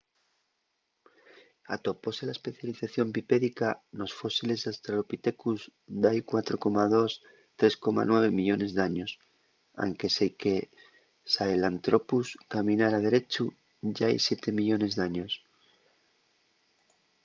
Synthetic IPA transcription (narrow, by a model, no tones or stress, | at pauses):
a̰t̪o̞po̞se̞lae̞spe̞θjaliθaθjo̞mpipe̞ðikano̞sfo̞sile̞zast̪ɾalopit̪e̞kuzd̪ajkwat̪ɾo̞ko̞maðo̞s | t̪ɾe̞sko̞ma̰nwe̞β̞e̞miʎo̞ne̞zðaɲo̞s | a̰ŋke̞sejke̞ | saelant̪ɾo̞puskamĩnaɾað̞e̞ɾe̞t͡ʃu | ʝaajsje̞t̪e̞miʎo̞ne̞zðaɲo̞s